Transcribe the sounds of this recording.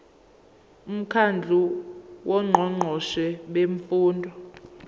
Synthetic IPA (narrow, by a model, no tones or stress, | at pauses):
um̩kʰand͡ɮʱuwʔɔŋ͡ǃʱɔŋ͡ǃʱɔʃɛɓeɱfuːndʱɔ